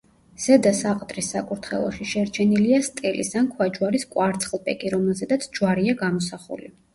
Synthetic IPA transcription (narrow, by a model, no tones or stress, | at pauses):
z̥ɛd̪asaqʼt̪ʼɾisːakʼuɾt̪ʰχɛ̰lˠɔ̰ʃiʃɛɾt͡ʃʰɛniliast̪ʼɛlḭsankʰwad͡ʒwaɾiskʼwaɾt̪sʰχlˠpʼɛ̰kʼiɾɔmɛlˠzɛd̪at̪sʰd͡ʒwaɾiaɡamɔsaχṵlḭ